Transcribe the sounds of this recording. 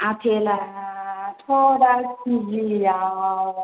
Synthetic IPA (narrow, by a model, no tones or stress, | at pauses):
apʰɛla | tʰɔɾasid͡ʒijaa